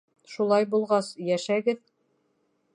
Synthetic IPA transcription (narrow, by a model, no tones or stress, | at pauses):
ʃulˠɑjbulˠʁɑsjæʃæɡɘð